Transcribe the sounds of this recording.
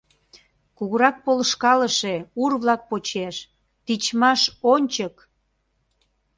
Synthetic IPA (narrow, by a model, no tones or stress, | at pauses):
kuɣəɾɑk̚poləʃkɑləʃeurβlɑk̚pot͡ɕeʃ | t̪it͡ɕmɑʃonʲt͡ɕək